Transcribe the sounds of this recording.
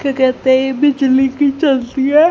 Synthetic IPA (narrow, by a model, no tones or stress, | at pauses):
kekɛːt̪eebɪd͡ʒliːkit͡ʃəlt̪iːɛː